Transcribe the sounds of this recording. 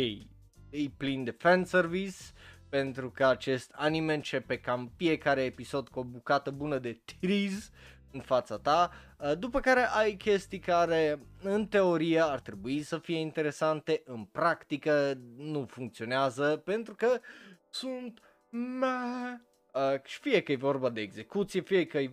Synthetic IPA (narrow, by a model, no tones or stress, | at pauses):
kej | ɨjplind̪efɛnservispe̞nt̪ɾukəat͡ʃe̞st̪ʰaniment͡ʃe̞pe̞kamfije̞kaɾe̞ːpiso̞d̪kuobukat̪əbunəd̪e̞t̪iɾiz | ɨnfat̪sat̪a | d̪upəkaɾe̞ʔajkʲe̞st̪ijkaɾeɨnt̪e̞o̞ɾijeart̪ɾe̞buisəfijeint̪e̞ɾe̞sant̪e̞ʔɨnpɾakt̪ikənufuŋkt̪sio̞neazəpe̞nt̪ɾukə | sunt̪ | ma | əʃi̥fijekəjevo̞rbad̪e̞ːɡze̞kut̪sijefijekəj